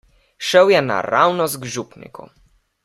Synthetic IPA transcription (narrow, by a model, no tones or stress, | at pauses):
ʃɛwjɛna̰ɾawnɔzɡʐupnʲḭkṵ